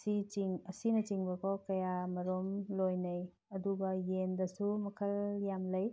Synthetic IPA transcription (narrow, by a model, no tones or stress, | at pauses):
sit͡ʃiŋɐsinɐt͡ʃiŋbɐkɔkɐjamɐɾomlojnɐj | ɐduɡɐjendɐsumɐkʰɐljamlɐj